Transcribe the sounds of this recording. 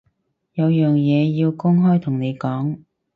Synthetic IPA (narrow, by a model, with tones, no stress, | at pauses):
jɐ˨˧wjœː˨ŋjɛː˨˧jiː˧wkʊ˥ŋɦɔː˥jt̪ʰʊ˨˩ŋne˨˧jkɔː˨˥ŋ